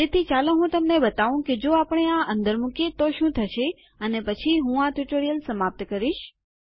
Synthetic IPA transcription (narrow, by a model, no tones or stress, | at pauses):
t̪et̪ʰit͡ʃalẽɦũt̪əmnebət̪aʋũked͡ʒoapəɳ̃eãʔənd̪əɾmukjet̪oʃũt̪ʰəʃʰe | ənepət͡ʃʰiɦũaʈuʈoɾijəlsəmap̚t̪əkəɾiʃ